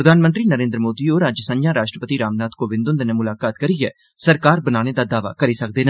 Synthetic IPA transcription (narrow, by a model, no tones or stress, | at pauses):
ɾəd̪ʱaːnmə̃nt̪ɾiːnəɾẽːnd̪ɾəmoːd̪iːoːɾãːd͡ʒəsə̃njãːɾaːʃʈɾəpət̪iːɾaːmnaːt̪koːʋɪ̃nd̪õnd̪enemʊlaːkaːt̪kəɾiːɛː | səɾkaːɾbənaːñeːd̪aːd̪aːʋa̰ːkəɾiːsək̚d̪eːna